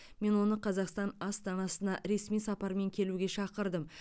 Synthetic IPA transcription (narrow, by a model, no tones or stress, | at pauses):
me̞nwo̞nəqʰɑzɑqst̪ɑnɑst̪ɑnɑsənɑɾe̞smijsɑpɑɾme̞ŋkʲʰe̞luɡʲe̞ʃɑqəɾd̪əm